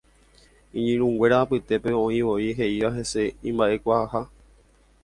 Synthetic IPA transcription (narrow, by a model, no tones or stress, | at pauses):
ĩɲĩɾ̃ũwe̞ɾaːpɨt̪e̞pe̞õ̞ĩʋo̞ĩɦe̞iʋaɦe̞se̞ĩmbaʔe̞kʷahaha